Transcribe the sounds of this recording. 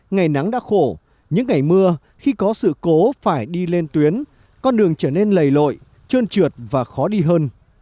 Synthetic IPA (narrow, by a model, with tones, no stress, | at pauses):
ŋa˨˩jna˨˦ŋɗa̰ː˧˥xo˧˩ | ɲɨ̰˧˥ŋːa˨˩jmɨ˧ə | xi˧kɔ˨˦sɨ̰˧˨ko˨˦faː˧˩jɗi˧le˧nt̪wi˨˦ən | kɔ˧nɗɨ˨˩əŋt͡ɕəː˧˩ne˧nlə˨˩jlo̰˧˨j | t͡ɕəː˧nt͡ɕɨ˨˩ət̚vaː˨˩xɔ˨˦ɗi˧ɦəː˧n